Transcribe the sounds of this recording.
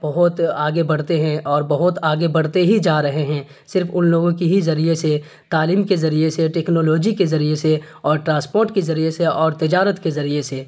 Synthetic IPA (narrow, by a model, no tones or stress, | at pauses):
b̥ɐɦʊt̪aːɡebɐɽ̤t̪eɦɛ̃ʔɔːɾbɐɦʊt̪aːɡebɐɽ̤t̪eɦid͡ʒaːɾɐɦeɦɛ̃ː | sɪɾfʊnloːɡõkiɦizɐɾiese | t̪aːliːmkezɐɾieseʈeːknoːloːd͡ʒikezɐɾiese | ɔːɾʈɾãːspoːɾʈkezɐɾieseɔːɾt̪ɪd͡ʒaːɾət̪kezɐɾiese